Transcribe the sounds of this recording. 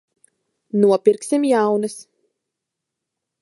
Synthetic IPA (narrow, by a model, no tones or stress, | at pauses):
nuɔpʲiɾksimjawnɨs